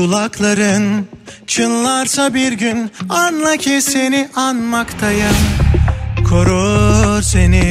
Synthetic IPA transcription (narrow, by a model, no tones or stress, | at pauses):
ulˠaklˠaɾɯnt͡ʃʰɯnlˠaɾsabiɾɟynanlˠacʰɛseniʔanmakt̪ʰajɯn | kʰoɾoɾseni